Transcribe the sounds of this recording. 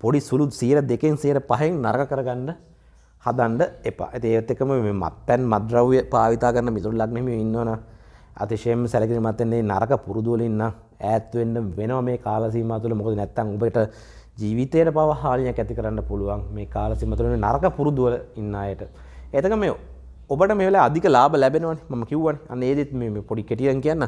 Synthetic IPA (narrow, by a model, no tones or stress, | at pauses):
poɽisulusiːɾəd̪ekeŋsijɾəpaɦeŋnaɾəkəkəɾəɡaɳɖə | had̪aɳɖəepa̰et̪ieːʋt̪ːekːəməmeːma̰t̪ːɛnmad̪ɾaʋjəpaːʋit̪aːkəɾɐnəmit̪uɾulaɡneɦemijoinːəʋɐnaa̰t̪iʂemːsɛlekinimat̪ːenːena̰ɾəkəpuɾud̪uʋəlinːa | æːt̪ːʋenɖəmʋenəʋameːkaːlas̬iːmaːt̪̬uləmukəd̪ənɛt̪ːaŋobəʈə | d͡ʒiːʋit̪ejʈəpaʋaɦaːlinakːæt̪ikəɾanːəpuluʋaŋmeːkaːlasiːmaːt̪ulʋna̰ɾɐkəpuɾud̪uʋələinːaːjəʈə | et̪əkəmeː | obəʈəmeːʋelajad̪ʱikəlaːbalɛbenəʋanemaməkiuʋanea̰nːəeːd̪it̪meːmeːpoɖikeʈiəŋkijanːa